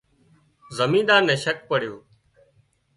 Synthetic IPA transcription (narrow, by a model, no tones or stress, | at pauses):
zəmĩːɗ̪aːɾnɛ̃ːʃək̚pəɽɪjoː